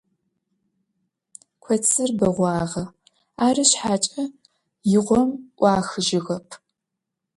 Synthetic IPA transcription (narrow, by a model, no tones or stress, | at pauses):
kʷʰɔt͡sʰɨrbɐʁʷɑːʁɐ | aːrɨɕħaːt͡ʃʼɐ | jɪʁʷɔmʔʷɑːxɨʒɪɣɐpʰ